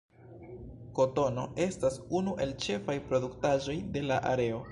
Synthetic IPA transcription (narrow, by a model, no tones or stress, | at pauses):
ko̞to̞no̞̰e̞stasunuʔe̞lt͡ʃe̞fajpɾo̞duktaʒo̞jde̞laʔa̰ɾe̞o̞